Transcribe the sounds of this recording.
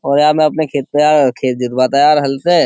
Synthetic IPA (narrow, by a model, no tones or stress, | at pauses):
ɔːɾjaːmɛ̃ɐpnekʰeːt̪̚pejaːɾkʰeːt̪̚d͡ʒɪt̪baːt̪ajaːɾɦɐlt̪ɛ